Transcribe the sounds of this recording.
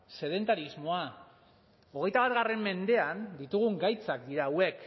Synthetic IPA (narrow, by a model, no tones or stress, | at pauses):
se̞ð̞e̞nt̪aɾizmo̞a | o̞ɣ̞e̞jt̪aβat̪ɣare̞mːe̞nd̪e̞and̪it̪uɣ̞uŋɡajt͡sakd̪iɾawe̞k